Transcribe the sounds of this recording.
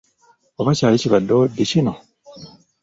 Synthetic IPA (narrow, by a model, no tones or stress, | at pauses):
oβacaːleciβadːodecino